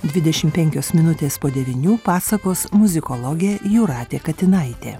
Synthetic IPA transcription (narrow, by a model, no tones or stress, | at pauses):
d̪ʲʋʲɪd̪ʲɛʃʲɪmpʲɛŋʲkʲoːsmʲɪnʊt̪ʲeːspoːd̪ʲɛʋʲinʲuːpɑːsɐkoːsmʊzʲɪkɔlˠoːɡʲeːjuːɾɑːt̪ʲeːkɐt̪ʲɪnɐɪt̪ʲeː